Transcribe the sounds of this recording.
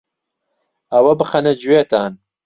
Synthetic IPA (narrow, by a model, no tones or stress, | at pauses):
ɐwɐbɨxɐnɐd͡ʒuwet̪aːn